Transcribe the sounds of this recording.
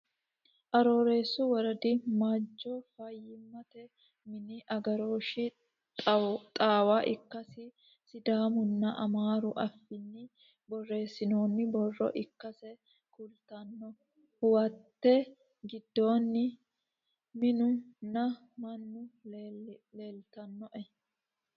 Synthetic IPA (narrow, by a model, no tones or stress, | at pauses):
ʔɐɾo̞ːɾe̞ːsːʊwɐɾɐd̪ɪmad͡ʒːɔfɐjːɪmːɐt̪ɛ | mɪnɪʔɐɡɐɾo̞ːʃɪ | t̪ʼaːwaːʔɪkːɐsɪ | sɪd̪aːmʊnːɐʔɐmaːɾʊʔɐfːɪnːɪ | bɔrːe̞ːsːɪno̞ːnːɪbɔrːɔ̰ʔɪkːɐsɛ | kʰʊlt̪ɐnːɔ | wɐt̪ːɛ | ɡɪd̪ːo̞ːnːɪ | mɪnʊnːɐ | mɐnːʊ | leːlt̪ɐnːɔʔɛ